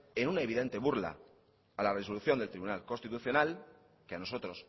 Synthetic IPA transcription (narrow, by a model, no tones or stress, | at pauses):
enunaeβ̞iðe̞nt̪e̞βuɾla̰ | alare̞so̞luθjo̞nd̪e̞lt̪ɾiβunalko̞nst̪it̪uθjo̞nal | keano̞so̞t̪ɾo̞s